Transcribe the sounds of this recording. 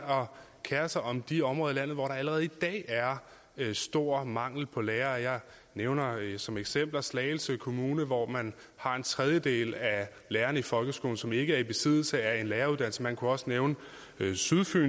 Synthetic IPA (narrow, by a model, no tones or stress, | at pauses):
ɒ̽ | kʰæɐɐsɑɪɒ̽md̥iɒmʁɔ̽ðˠilæn̰ð̩ˠʋɒɾ̥ɑ̈æləʁɛːð̞̩ˠid̥ɛ̰ːæɐ | sd̥o̝ɐ̰mɑ̈ŋ̰l̩pʰɒ̽leːɐːjɑ̈ɪ | neʊnɐsɒ̽meɡ̥sem̰b̥lɐslɛːɪl̩səkʰo̝muːnəʋɒmæn | hɑ̈e̝nt͡sʰʁɛð̞ˠjəd̥e̝̰ːlæ | leːɐnəifɒ̽lɡ̥əsɡ̥o̝ːln̩sɒ̽me̝ɡ̥əæɐib̥e̝sið̞̰ˠl̩səæɐe̝nleːɐuðˠdæn̰l̩sŋ̩mænkʰuɒ̽səneʊnə | syðˠfy̰ː